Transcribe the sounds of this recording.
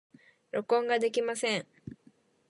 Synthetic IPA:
ɾo̞kõ̞ŋɡad̪e̞kʲimasẽŋ

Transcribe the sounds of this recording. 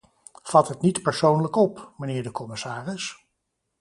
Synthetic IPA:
v̥ɑtɦətnitpəɹsownləkɔpmənɪːɹdəkɔmɪsaːrɪs

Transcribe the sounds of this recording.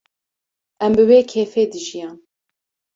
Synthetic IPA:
ɛmbɨweːkʰeːfeːd̪ɨʒijɑːn

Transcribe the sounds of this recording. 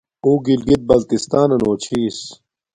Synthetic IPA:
uːɡilɡit̪̚bɐlt̪ist̪aːnɐnoːt͡ɕʰiːs

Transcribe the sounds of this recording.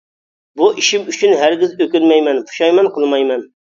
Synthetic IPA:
buʔiʃimyt͡ʃʰynɦæɾɡʲɪzøkʲynmɛjmɛnpʰu̥ʃɑjmɛnqʰəlˠmɑjmɛn

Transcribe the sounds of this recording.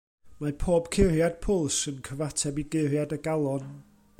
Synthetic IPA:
mapʰoːb̥kʰɪrjad̥̚pʰʊlˠsənkʰəvatʰɛbiɡɪrjadəɡalˠɔn

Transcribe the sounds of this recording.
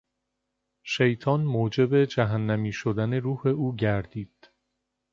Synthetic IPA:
ʃe̞jt̪ʰɒːnmoːd͡ʒe̞be̞d͡ʒæɦænːæmiːʃod̪æne̞ɾuːhe̞uːɟæɾd̪̥iːd̪̥

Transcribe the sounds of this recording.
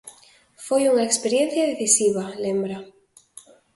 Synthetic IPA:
fojuŋaekspeɾjen̟θjaðeθisiβ̞alẽmbɾa

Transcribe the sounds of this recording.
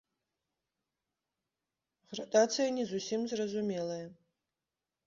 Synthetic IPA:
ɣrɐt̪ʼat̪sɨjɐnʲɛzusʲimzrɐzumʲɛlˠɐjɐ

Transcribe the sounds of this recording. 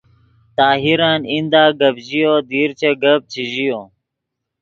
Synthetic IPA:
t̪aːɦiɾaːnind̪aːɡɐbʑijoːd̪iːɾt͡ɕʰeɡɐb̚t͡ɕʰiʑijoː

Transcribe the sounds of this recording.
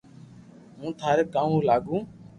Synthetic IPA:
mũːt̪ʰaːɾeːkaːmũːlaːɡũː

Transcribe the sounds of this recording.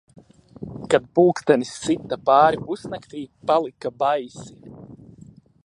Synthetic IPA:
kad̪̚puːkst̪ɛnisːit̪apaːɾipusnakt̪iːpalˠikabajsi

